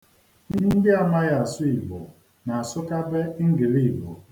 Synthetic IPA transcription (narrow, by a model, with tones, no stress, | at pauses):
ni˦ɦn̩˦dɪ˦a˨ma˦ɣa˨a˨sʊ˦i˨ɡ͡bɔ̰˨ | na˨a˨sʊ˦ka˦be˦ŋ̩˦ɡɪ˨ɾi˦˨i˨ɡ͡bɔ̰˨